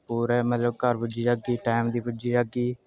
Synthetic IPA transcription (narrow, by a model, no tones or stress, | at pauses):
puːɾɛːmət̪ləb̚kəɾbʊd͡ʒiːd͡ʒaɡiːʈaːmd̪iːpʊd͡ʒiːd͡ʒaɡiː